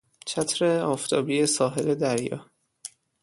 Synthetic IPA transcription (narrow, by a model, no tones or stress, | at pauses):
t͡ʃʰæt̪ʰɾeɒːft̪ʰɒːbiːesɒːɦe̞led̪æɾjɒ̰ː